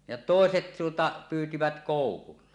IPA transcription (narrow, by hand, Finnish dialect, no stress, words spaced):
jɑ toˑeset tuotɑ pyːtiʋæt koˑukulːɑ